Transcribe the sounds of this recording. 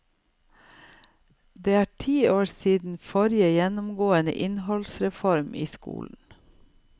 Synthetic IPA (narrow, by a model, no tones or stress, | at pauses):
d̪eːæːʈʰiːoːɾsiːd̪n̩fɔɾɪəjɛnʊmɡoːənə̰ʔɪnhɔlsɾɛfɔɾmʔiːskṵːln̩